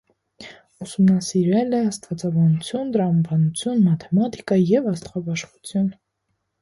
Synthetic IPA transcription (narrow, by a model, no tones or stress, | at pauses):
usumnɑsiɾvɛlɛɑst̪vɑt͡sɑbɑnut͡sʰjunt̪ɾɑmɑbɑnut͡sʰjunmɑt̪ʰɛmɑt̪i̥kɑjɛvɑst̪χɑbɑʃχut͡sʰjun